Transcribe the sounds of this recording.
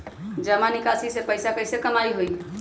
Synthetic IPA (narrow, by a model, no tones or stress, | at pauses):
d͡ʒəmanikasisepəjsapəjsekəmaiɦoj